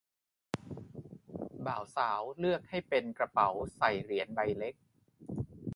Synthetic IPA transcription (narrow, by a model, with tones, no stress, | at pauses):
baː˨˩˦wsaː˩˦wlɯ˥˩ək̚ha˥˩jpe˧nkɾa˧pa˩˦wsa˨˩jɾi˩˦ənda˧jle˦˥k̚